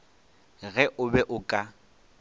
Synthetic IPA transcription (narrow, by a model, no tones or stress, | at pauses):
ɣɛʔʊbɛʔʊkʼa